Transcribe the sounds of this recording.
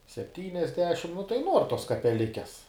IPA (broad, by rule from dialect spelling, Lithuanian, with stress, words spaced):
sʲɛpʲˈtʲiːnʲɛzʲdʲɛʃʲɪm nʊ tɐɪ ˈnuɔr toːs kɐpʲɛˈlʲɪkʲɛs